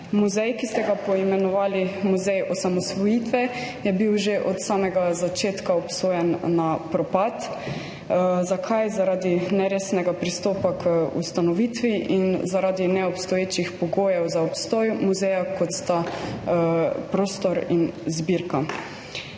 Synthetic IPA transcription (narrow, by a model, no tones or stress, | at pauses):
muzɛjkist̪ɛɡapɔimɛnɔʋaːlimuzɛjɔsamɔsʋɔjit̪ʋɛjɛbiwʒeʔɔt̪saːmɛɡazat͡ʃeːt̪kaɔpsoːjɛnːapɾɔpat̪ | zakʰajzaɾaːd̪inɛɾeːsnɛɡapɾist̪oːpakʰəṵst̪anɔʋiːt̪ʋiʔinzaɾaːd̪inɛɔpst̪ɔjeːt͡ʃixpɔɡoːjɛwzaɔpst̪ɔjmuzɛjakɔt̪st̪a | pɾoːst̪ɔɾinzbiɾka